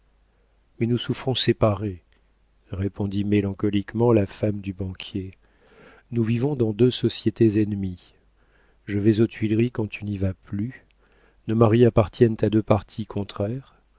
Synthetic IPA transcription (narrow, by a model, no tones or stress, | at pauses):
mɛnusufχɔ̃sepaʁe | ʁepɔ̃d̪imelɑ̃kɔlikmɑ̃lafamd̪ybɑ̃kʲʰje | nuvivɔ̃d̪ɑ̃d̪øsɔsjet̪ezɛnmi | ʒəvɛzot̪ɥilʁikɑ̃t̪ʰynivaply | nomaʁiapaʁt̪jɛnt̪ad̪øpaʁt̪ʰikʰɔ̃t̪χɛʁ